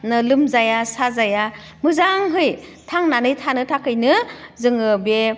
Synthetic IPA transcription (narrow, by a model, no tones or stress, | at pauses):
nɯlɯmzajasazaja | mɯzaŋɦɯjtʰaŋnanɯjtʰanɯtʰakʰɯjnɯzɯŋɯbe